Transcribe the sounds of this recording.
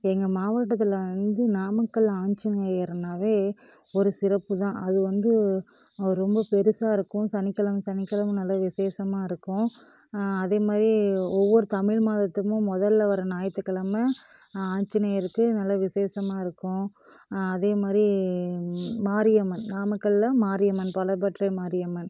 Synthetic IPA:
ɛŋɡɐmaːʋɐʈ̬ːɐt̪̬ːɪlʋɐnd̪ɯnaːmɐkːɐɭaːɲt͡ʃɯneːɐɾnaːʋeː | ɔɾɯsɪɾɐpːɯt̪ãːʔɐðɯʋɐnd̪ɯ | ɾɔmbɐpɛɾɯsaːɪɾɯkːʊ̃sɐnɪkːɐlɐmsɐnɪkːɐlɐmɐnɐlːɐʋɪseːsɐmaːɪɾɯkːʊ̃ | ɐðeːmaːd̪ɾiɔʋːɔɾɯt̪ɐmɪɻmaːðɐt̪ːɯmʊ̃mɔðɐlːɐʋɐɾɐnaːjɐt̪ːɯkːɐɭɐmɐ | aːɲt͡ʃɯneːjɐɾɯkːɯnɐlːɐʋɪseːsɐmaːɪɾɯkːʊ̃ | ɐðeːmaːd̪ɾi | maːɾɪjɐmɐnnaːmɯkːɐɭlɐmaːɾɪjɐmɐnpɐlɐbɐʈːrɐmaːɾɪjɐmɐn

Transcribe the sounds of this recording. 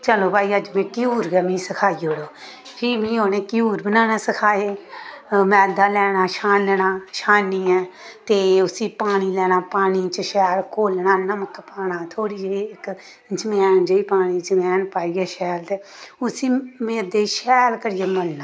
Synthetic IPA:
t͡ʃəloːbʱaːiːəd͡ʒmɛ̃ːkɪjuːɾɡɛːmĩːsəkʰaːiːɦoːɽoː | pʰimĩːoːneːkɪjuːɾbənaːnaːsəkʰaːeː | mɛ̃ːd̪aːlɛːɽ̃aːʃaːnnaːʃaːniːɛːt̪eːʊsiːpaːɽ̃iːlɛːɽ̃aːpaːɽ̃iːt͡ʃəʃɛːlkʰoːlnaːnəməkpaːnaːt̪ʰoːɽiːd͡ʒeɪk | d͡ʒəmɛːnd͡ʒəiːpaːɽ̃iːd͡ʒəmɛːnpaːiːɛːʃɛːlt̪eːʊsiːmeːd̪eːʃɛːlkəɾɪjeːməlnaː

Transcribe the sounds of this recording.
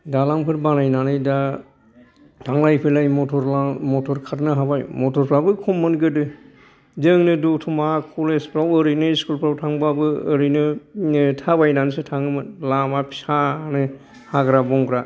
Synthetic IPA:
dalaŋpʰɯɾbanajnanɯjda | tʰaŋlajpʰelajmɔtʰɔɾlamɔtʰɔɾkʰatnɯɦabajmɔtʰɔɾpʰɾabɯkʰɔmːɯnɡɯdɯ | zɯŋnɯdutʰɔmakʰulespʰɾawəɾɯnɯiskulpʰɾawtʰaŋbabɯːɾɯnɯ | tʰabajnanɯsɯtʰaŋɯmɯnlamapʰi̥sanɯ | haɡɾabɔŋɡɾa

